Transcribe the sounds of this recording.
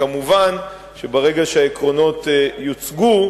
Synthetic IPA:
kamuvan | ʃebaʁe̞ɡaʃeaekʁo̞no̞tjot͡sɡu

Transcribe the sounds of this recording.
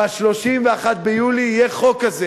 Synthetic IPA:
aʃlo̞ʃimveaχat̪̚bejuliːjɛχo̞kaze

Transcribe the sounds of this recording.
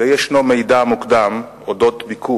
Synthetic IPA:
ejeʃnomejd̪amukd̪am | od̪ot̪bikʰu

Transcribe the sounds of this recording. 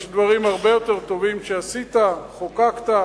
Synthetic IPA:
ʃd̪vaʁimaʁbe̞jo̞t̪eʁt̪o̞vimʃeasit̪aχokakt̪a

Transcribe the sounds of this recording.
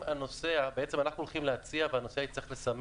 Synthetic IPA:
ano̞seabee̞t͡semanaχnulχimleat͡siavehano̞seaitt͡sʁiχlesam

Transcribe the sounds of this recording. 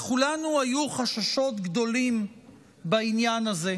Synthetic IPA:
χulanuajuχaʃaʃo̞t̪ɡd̪o̞lim | bainjanaze̞

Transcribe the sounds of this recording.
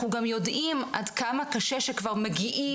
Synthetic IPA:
uɡamjo̞dʔimʔadkamakaʃeʃekvaʁmeɡiʔi

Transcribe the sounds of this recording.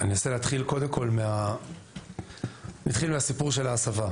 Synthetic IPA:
anioseleat̪χilko̞d̪emkʰo̞lmea | nat̪χilmeasipuʁʃe̞laːsava

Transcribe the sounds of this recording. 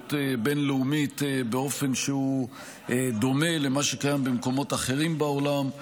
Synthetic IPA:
t̪ebe̞nleumit̪beo̞fe̞nʃehu | ʔed̪o̞me̞le̞maʃe̞kajambemko̞mo̞t̪aχe̞ʁimbao̞lam

